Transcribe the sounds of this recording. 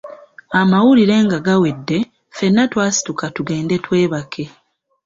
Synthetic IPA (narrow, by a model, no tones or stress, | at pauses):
amawuliɾe̞ŋɡaɡawe̞dːe̞ | fe̞nːatwaːsi̥tukatuɡe̞ːnde̞twe̞ːβakʰe̞